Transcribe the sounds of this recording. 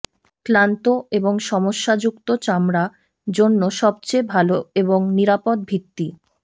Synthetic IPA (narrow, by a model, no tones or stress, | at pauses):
klant̪oeboŋʃɔmoʃːad͡ʑukt̪ot͡ɕamɾa | d͡ʑonːoʃɔb̚t͡ɕebʱaloeboŋniɾapod̪̚bʱit̪ːi